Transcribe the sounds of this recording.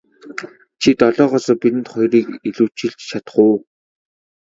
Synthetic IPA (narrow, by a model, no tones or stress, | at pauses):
t͡ɕʰit̪ɔɮɔːʁɔsɔːpit̪ɘ̆nt̪χɔjriːkiɮuːt͡ɕɪ̆ɮt͡ɕt͡ɕʰat̪χʊː